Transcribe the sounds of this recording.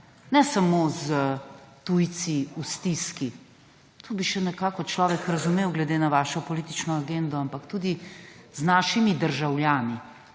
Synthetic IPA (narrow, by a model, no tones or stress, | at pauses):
nɛsamozət̪ujt̪siust̪iski | t̪ʰoːbiʃɛnɛkaːkɔt͡ʃlɔːʋɛkɾɐzumeːwɡlɛd̪eːnaʋaːʃɔpɔliːt̪it͡ʃnɔaɡend̪ɔampakt̪ud̪iznaːʃimid̪əɾʒawljaːni